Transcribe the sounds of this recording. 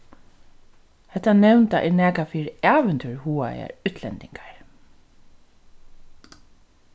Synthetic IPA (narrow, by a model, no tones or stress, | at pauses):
hɛht̪ːanɛwnt̪aʔɛɹnæːkafiːɾaːʋɛnt̪ʰʏɹhuːa̰a̰ʉt̪ʰlɛ̰nt̪ɪŋkḁɹ